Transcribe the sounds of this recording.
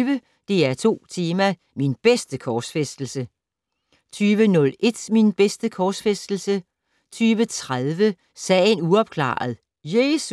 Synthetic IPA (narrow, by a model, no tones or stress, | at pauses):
ʋə | d̥e̝æɐt͡sʰo̝̰ːt͡sʰiːmɐ | minb̥esd̥əkʰɒːsfesd̥l̩sə | t͡sʰyːʋənɔ̽lʔe̝d̥minb̥esd̥əkʰɒːsfesd̥l̩sə | t͡sʰyːʋət͡sʰʁaðˠʋə | sɛ̰ːɪənuɒ̽b̥kʰlɑ̰̈ːð̞̩ˠ | jeːs